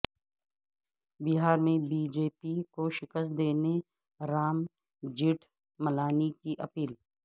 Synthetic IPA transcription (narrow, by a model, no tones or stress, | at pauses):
bɪɦaːɾmẽbiːd͡ʒeːpikoʃɪkəst̪̚d̪eːne | ɾaːm | d͡ʒɪʈʰ | məlaːnikiʔɐpiːl